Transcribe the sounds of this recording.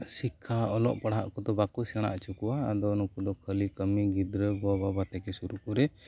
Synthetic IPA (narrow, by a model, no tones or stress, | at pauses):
sikʰːaɔlɔ̰ʔpaɽɦa̰ʔkɔd̪ɔbakusɛɽ̃a̰ʔt͡ʃukuaːd̪ɔnukud̪ɔkʰəlikəmiɡid̪ɾəbɔbabat̪ɛkɛsuɾukɔɾɛ